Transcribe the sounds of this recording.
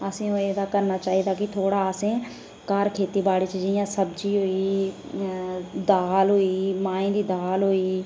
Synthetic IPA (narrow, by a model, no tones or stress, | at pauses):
əsẽːõːeːd̪aːkəɾnaːt͡ʃaːɦiːd̪aːkɪt̪ʰoːɽaːəsẽː | kəɾkʰeːt̪iːbaːɽiːt͡ʃd͡ʒɪjãːsəbd͡ʒiːɦoːiː | d̪aːlɦoːiːmãːĩːd̪iːd̪aːlɦoːiː